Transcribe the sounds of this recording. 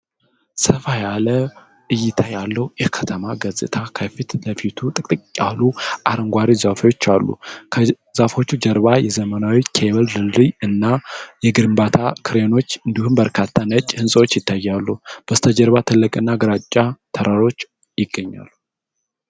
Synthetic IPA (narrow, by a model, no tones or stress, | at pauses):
səfajalə | ʔɨjɪt̪ʰajalːəwjɪhkʰə̥t̪ʰəmaɡəzʼɨ̰t̪ʰakʰəfit̪ləfit̪ʰut̪ʼɨkʼt̪ʼɨkʼkʼaluʔaɾəŋɡʷaɾizafwo̞t͡ʃːalːṵkʰ | zafo̞t͡ʃːud͡ʒəɾβajɛzəmənawikʰeβəldɨlːiɨnːajɛɡɨɾɨmbat̪ʰakʰɨɾe̞no̞t͡ʃːɨnd̪ihumbəɾkʰat̪ʰːanət͡ʃʼːhɨnsʼəwo̞t͡ʃːjɪt̪ʰːajːalːub̥əst̪ʰəd͡ʒɛɾβat̪ʰɨlːəkʼɨnːaɡɨɾat͡ʃʼːat̪ʰəɾʔaɾo̞t͡ʃː | jɪɡːəɲːa̰lːu